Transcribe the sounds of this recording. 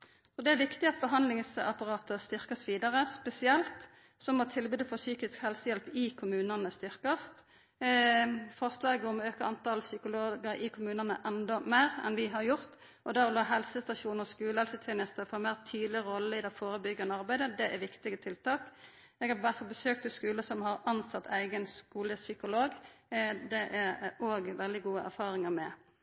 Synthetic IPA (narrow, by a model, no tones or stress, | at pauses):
sɔd̪ɛæʋɪkt̪ɪɑt̪̚bəɦɑnd̪lɪŋsɑ̰pɑʁɑːt̪əst̪ʏɾkɑsʋiːd̪ɑʁəspɛsɪɛlt̪ | sɔmɔt̪ʰɪlbʉːd̪əfɔʁsyːkɪskhɛlsəjɛlpɪkʰʊmʉːnənəst̪ʏɾkɑst̪ | fɔʁslɑːɡəɔmøːkəɑnt̪ɑlsʏkʊloːɡəɾʔɪkʰʊmʉːnənə̰ʔɛnd̪ɔmæːɾɛ̰nʋɪɦɑɾjʊɾt̪ | ʔɔd̪æʁɔlɑːɦɛlsəst̪ɑʃuːnɔskʉːləhɛlsət̪ʰeːnəst̪əfɔmæɪʁt̪ʰyːd̪lɪɾɔlːəɪd̪ɛfoːɾəbʏɡːɑnəɑɾbæɪd̪əd̪ɛʔæɾʋɪkt̪ɪɡət̪ʰɪlt̪ʰɑːk | ɛɡhɑʋæʁt̪fɔbəsøːk̚t̪ʰɪskʉːləsɔmhɑɾɑnsɑt̪ʰːæɪɡənskuːləsʏkʊloːɡ | d̪ɛʔæɾoːɡʋɛld̪ɪɡuːəʔæ̰ɾfɑːɾɪŋəmɛ